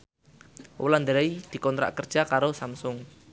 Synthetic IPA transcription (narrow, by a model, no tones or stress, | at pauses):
w̰land̪əɾaid̪̥i̤kɔnt̪ɾa̰ʔkərd̥ʒ̥akaɾosamsʊŋ